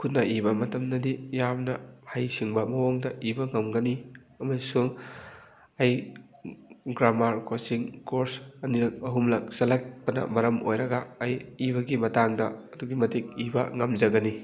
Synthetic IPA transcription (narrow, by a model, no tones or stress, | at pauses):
kʰutnɐibɐmɐtɐmnɐdijamnɐhajsiŋbɐmɐwoŋdɐʔibɐŋɐmɡɐni | ɐmɐsuŋ | ɐj | ɡɾamaɾkosiŋkoɾsɐniɾɐk̚ɐɦumlɐk̚sɐlak̚pɐnɐ̰mɐɾɐmʔojɾɐɡɐːjibɐɡimɐtaŋdɐ̰ːduɡimɐtik̚ibɐ̰ŋɐmzɐɡɐni